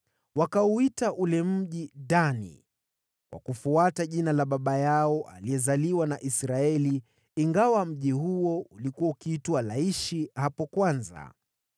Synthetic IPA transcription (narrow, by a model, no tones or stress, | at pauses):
wakauitaʔulɛm̩ʄidanḭ | kwa̰kufuataʄinalaɓaɓajaɔʔa̰liɛzaliwanaʔisɾaɛliː | ŋɡawam̩ʄiɦuɔulikuwaukiitwalaiʃihapɔkwanza̰